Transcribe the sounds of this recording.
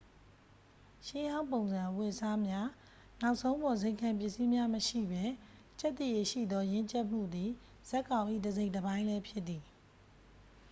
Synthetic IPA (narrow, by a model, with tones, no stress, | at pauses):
ʃɪ̃˦jã˦ʊ̃mpõ˨ʊ̃nzã˨wɪ˦˨ʔsa˦mja˦ | na˦ʊʔsʰõ˦ʊ̃mbɔ˨ze˦˨ɪ̃ŋkʰã˨mpjɪ˦ʔsi˦mja˦məʃḭ˦˨bɛ˦ | t͡ɕɛ˦t̪ːi˦˨je˨ʃḭ˦˨d̪ɔ˦jɪ̃˦ɲt͡ɕɛ˦ʔm̥ṵ˦˨d̪i˨ | z̥ɛ˦kːã˨ʊ̃ʔḭ˦˨dəze˦ɪ̃ntəβã˦ɪ̃lɛ˦pʰjɪ˦t̪t̪ːi˨